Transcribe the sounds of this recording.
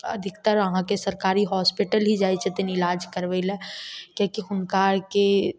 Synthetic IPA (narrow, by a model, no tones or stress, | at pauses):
ɐ̰d̪ʱɪkt̪əɾəɦãkesɐɾkaːɾiɦɔːspɪʈəlɦid͡ʒaːit͡ʃʰet̪ɪnɪlaːd͡ʒkəɾʋeilɛkjõkiɦʊnkaːɾke